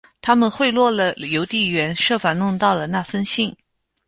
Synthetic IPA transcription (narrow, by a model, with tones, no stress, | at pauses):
t̪ʰa˥mə˨nxwe˥˧ɪlwɔ˥˩lə˩jo˧˥ʊt̪i˥˩ɥɛ˧˥nʂɤ˥˩fa˨˩nʊ˥˧ŋt̪ɑ˥˩ʊlə˩na˥˩fə˥nɕi˥˩ŋ